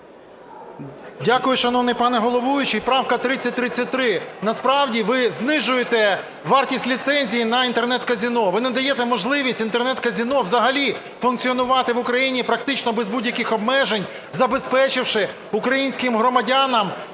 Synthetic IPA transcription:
dʲakʊjʊʃɐnɔʋnɪjpɑnɛɦɔlˠɔʋujʊt͡ʃɪjpɾɑwkɐt̪ɾɪt͡sʲːɐt̚ʲt̪ɾɪt͡sʲːɐt̚ʲt̪ɾɪnɐspɾɑwdʲiʋɪznɪʒʊjet̪ɛ | ʋɑrtʲisʲtʲlʲit̪sɛnʲzʲijinɐint̪ernɛt̪kɐzʲinɔʋɪnɛd̪ɐjɛt̪ɛmɔʒlˠɪʋʲisʲtʲint̪ernɛt̪kɐzʲinɔʋzɐɦɐlʲi | fʊnkt͡ssʲiɔnʊʋɑt̪ɪʋʊkɾɐjinʲipɾɐk̚t̪ɪt͡ʃnɔbɛzbudʲjɐkɪxɔbmɛʒenʲ | zɐbespɛt͡ʃɪwʃɪ | ukɾɐjinʲsʲkɪmɦɾɔmɐdʲanɐm

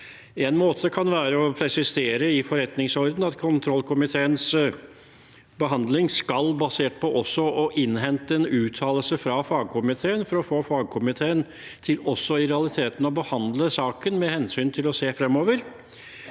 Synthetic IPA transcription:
ɛnmoːt̪ʰəkʰɑnʋæːɾəɔpʰɾɛsɪseːɾəɪfɔɾɛt̪nɪŋsɔɾd̪n̩ɑt̪kʰʊnt̪ʰɾɔlːkʰʊmɪt̪ʰeːəns | bəɦɑnd̪lɪŋskɑlbɑseːʈ̚pʰɔʔɔsːɔʔɔʔɪnɦɛnt̪əɛnʉːt̪ʰɑːləlsəfɾɑfɑːɡ̚kʰʊmɪt̪ʰeːənfɔɾɔfoːfɑːɡ̚kʰʊmɪt̪ʰeːən | t̪ʰɪlɔsːɔɪɾɛɑlɪt̪ʰeːt̪n̩ɔbəhɑnd̪ləsɑːkənmɛhɛnsyːnt̪ʰɪlɔseːfɾɛmɔːʋəɾ

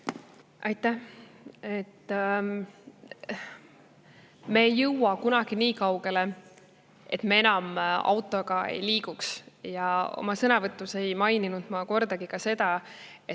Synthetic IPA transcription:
ʔɑjt̪ːˑæh | et̪ːˑ | me̞ːjːɤwːɑkunɑɡ̥iniːkɑwɡ̥e̞le̞ | e̞t̪mee̞nɑmɑ̰wt̪ːˑo̞ɡ̥ɑḛjliːɡ̥uksjɑo̞̰mɑsɤnɑvɤt̪ːˑuse̞jmɑjninud̪̥mɑko̞rd̪̥ɑɡ̥ikɑse̞d̪ɑ | e

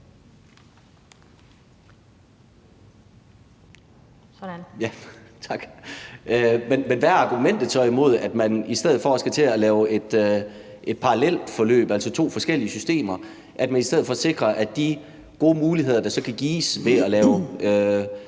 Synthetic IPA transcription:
j | t͡sʰɑɡ̥ | menmenʋæɑ̈ɡ̥umen̰d̥ð̩ˠt͡sʰɒimo̝ð̞̰ˠæd̥mænisd̥eð̰̩ˠfɒ̽ɒsɡ̥æt͡sʰe̝ælɛːʊe̝d̥ | ʔe̝d̥̚pʰɑ̈ʁɑlel̰d̥fɒ̽lø̰ːb̥ælsɒ̽t͡sʰo̝̰ːfɒ̽sɡ̥el̰iəsysd̥e̝̰ːmɐ | ʔæd̥mænisd̥eð̞̰̩ˠfɒ̽se̝ɡ̥ʁɐʔædd̥i | ɡ̥o̝ːmuːliɦe̝ð̰ˠɐd̥ɑ̈sɒ̽kʰæɡ̥iːsʋe̝ælɛːʊø

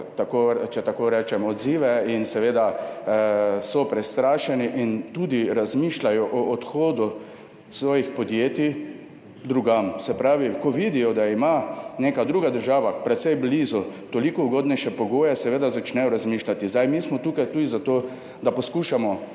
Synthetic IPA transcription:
t̪akot͡ʃɛt̪akoɾɛːt͡ʃɛmɔd̪ziːʋɛinsɛʋeːd̪a | sɔpɾɛst̪ɾaːʃɛniʔint̪ud̪iɾazmiːʃlajɔʔɔːt̪xoːd̪u | sʋɔːjixpɔd̪jeːt̪i | d̪ɾuɡamsɛpɾaːʋikɔʋid̪ijɔd̪aimaneːkad̪ɾuːɡad̪əɾʒaːʋapɾɛt̪sɛjbliːzɔt̪ɔlikɔuɡoːd̪nɛjʃɛpɔɡoːjɛsɛʋeːd̪azat͡ʃnɛjɔɾazmiːʃlat̪izd̪ajmiːsmɔt̪uːkajt̪uːd̪izat̪oː | d̪apɔskuːʃamɔ

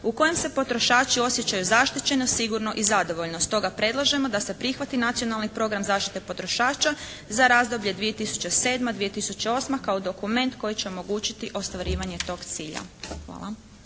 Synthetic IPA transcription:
uko̞jemse̞po̞t̪ɾo̞ʃaːt͡ʃio̞sjet͡ɕajuzaʃt̪it͡ɕe̞nosiɡuɾno̞ʔizad̪o̞ʋo̞ʎnost̪o̞ɡapɾe̞d̪lˠaʒe̞mo̞d̪ase̞pɾixʋat̪inat̪sijo̞nalˠnipɾo̞ɡɾamzaːʃt̪it̪e̞po̞t̪ɾo̞ʃaːt͡ʃa | zaɾazd̪o̞bʎe̞d̪ʋije̞t̪isu̥t͡ɕese̞ːd̪mad̪ʋije̞t̪isut͡ɕe̞o̞smakaod̪o̞kume̞nt̪ko̞jit͡ɕeo̞mo̞ɡuːt͡ɕit̪iʔo̞st̪ʋaɾiːʋaɲe̞t̪o̞ɡt̪siːʎa̰xʋa̰ːlˠa

